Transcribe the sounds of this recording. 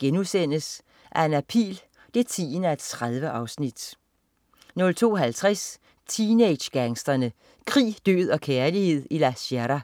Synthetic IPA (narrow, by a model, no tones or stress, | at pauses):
ɡ̥enusen̰əs | ʔæɐe̝næpʰḭːl | d̥e̝t͡sʰḭːnæed̥t͡sʰʁaðˠʋəʔɑ̈ʊsnid̥ | nɔ̽lt͡sʰo̝̰ːɦælt͡sʰʁas | t͡sʰined̥ɕɡ̥æŋsd̥ɐnə | kʰʁḭːd̥ø̰ːð̞̰ˠɒ̽kʰæɐlihe̝ð̞̰ˠilæsæɾæ